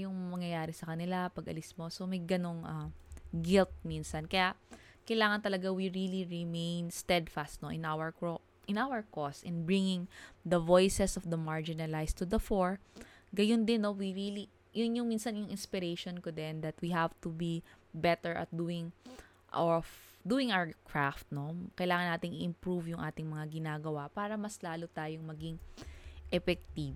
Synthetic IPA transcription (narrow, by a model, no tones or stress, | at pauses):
jʊŋmɐŋjɐjaːɾɛsɐkɐnɪlapɐɡɐ̰lɪsmo̞somɐjɡɐno̞ŋʔɐɡɪlt̪̚minsɐnkɐjaʔkɐjlaːŋɐnt̪ɐlɐɡawiɹiliɹɪmẽjnst̪ɛd̪fast̪̚no̞ʔɪ̃nawɐɹ | ʔɪ̃nʔawɐɹkosʔɛ̃nbɹiŋɪ̃ŋd̪ɐvojsɛsɔvd̪ɐmaɹd͡ʒɪnɐlajst̪ud̪ɐfoɹ | ɡɐjʊnd̪ɪnːowiɹili | jʊnjʊŋminsɐnjʊŋʔɪnspɪɾejʃonkod̪ɛnd̪ɐt̪̚wihavt̪ubibɛt̪ɛɹʔɐ̰t̪̚d̪uɪŋ | ʔofd̪uːɪŋʔawɛkɹaft̪̚no̞kɐjlaːŋɐnːaːt̪ɪŋʔɪ̰ʔɪmpɾuvjʊŋʔaːt̪ɪŋmɐŋaɡɪnaːɡɐwapaːɾɐmɐslaːlot̪aːjoŋmɐɡiŋʔɛpɛk̚t̪iv